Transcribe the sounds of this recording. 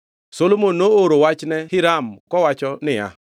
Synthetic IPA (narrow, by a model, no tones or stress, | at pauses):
solomonːooɾowat͡ʃnɛhɪɾamkɔwat͡ʃɔnɪa̰